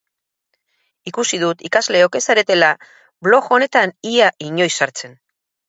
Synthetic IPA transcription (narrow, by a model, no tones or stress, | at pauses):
ikusiðut̪ikazle̞o̞ke̞saɾe̞t̪e̞la | βlo̞xo̞ne̞t̪aniaʔiɲo̞jsaɾt͡se̞n